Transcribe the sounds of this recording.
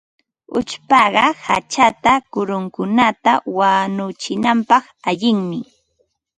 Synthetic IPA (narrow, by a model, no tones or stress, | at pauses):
ʊt͡ʃpɑɢɑha̰t͡ʃat̪akʊɾʊŋkʊnat̪awanʊt͡ʃɪnampɑχ | aʎɪŋmɪ